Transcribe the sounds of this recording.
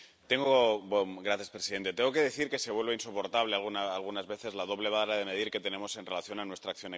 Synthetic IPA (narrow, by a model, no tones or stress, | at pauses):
t̪e̞ŋɡobomɡɾaθjaspɾesiðe̞nt̪et̪eŋɡokeðeθiɾke̞seβ̞we̞lβeinsopo̞ɾt̪aβlealɣunaalɣ̞unazβe̞θe̞zlaðo̞β̞le̞β̞aɾað̞e̞me̞ðiɾke̞t̪e̞ne̞mo̞se̞nre̞laθjo̞nanwe̞st̪ɾakθjo̞ne